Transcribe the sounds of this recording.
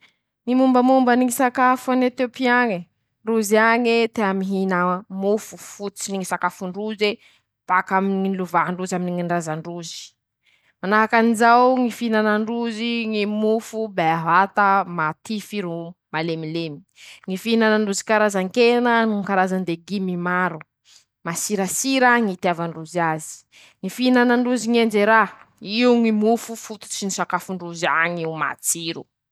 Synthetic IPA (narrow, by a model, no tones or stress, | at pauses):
ŋimumbəmumbəniŋisakafanet̪opiaŋi | ɳɖ͡ʐuziaŋet̪eamiɦinamufu̥fut͡siniŋisakafuɳɖ͡ʐuze | pakaminiluvaɦɳɖ͡ʐuzaminiŋiɳɖ͡ʐazaɳɖ͡ʐuzi̥ | manaɦakanizawŋifinanaɳɖ͡ʐuziŋimufubeaɦat̪amat̪ifiɾumalemilemi̥ | ŋifinanaɳɖ͡ʐuzi̥kaɾazaŋkenənuŋkaɾazand̪eɡimimaɾu | masiɾasiɾəŋit̪iavaɳɖ͡ʐuziazi̥ | ŋifinanaɳɖ͡ʐuziŋeɳd͡ʒeɾaiuŋimufufut̪u̥t͡ʃinisakafuɳɖ͡ʐuziaɲiwma̰t͡siɾu